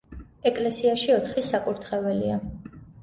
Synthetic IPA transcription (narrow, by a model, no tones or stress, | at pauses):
ɛkʼlɛsiaʃiɔt̪ʰχisakʼuɾt̪ʰχɛvɛlia